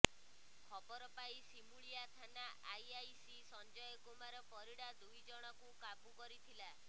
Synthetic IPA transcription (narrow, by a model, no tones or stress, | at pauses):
kʰɔbɔɾɔpaisimuɭijat̪ʰanaʔajajsisɔnd͡ʒɔjɔɡomaɾɔpɔɾiɽad̪ujd͡ʒɔɽ̃ɔkukabukɔɾit̪ʰila